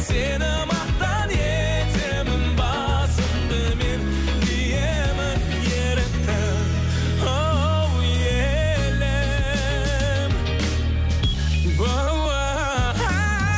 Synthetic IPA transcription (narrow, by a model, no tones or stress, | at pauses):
senɪmɑqt̪ɑne | t̪emɪnbɑ | səmd̪əmen | ije | mɪn | jeɾɪt̪ːɪ | o | w | je | le | m | bo | wa